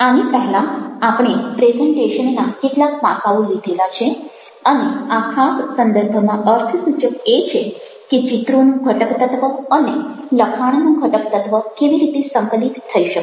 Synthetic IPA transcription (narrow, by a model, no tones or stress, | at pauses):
anipəɦɛlãapɽ̃epɾezeɳʈeʃənnakeʈlakpa̰saulid̪ʱelat͡ʃʰe | əneakʰassənd̪əɾbʱəmãəɾt̪ʰəsut͡ʃəket͡ʃʰe | ket͡ʃit̪ɾonũɡʱəʈəkt̪ət̪ʋəəne | ləkʰaɽ̃nũɡʱəʈəkt̪ət̪ʋəkeʋiɾit̪esəŋkəlit̪ʰːəiʃək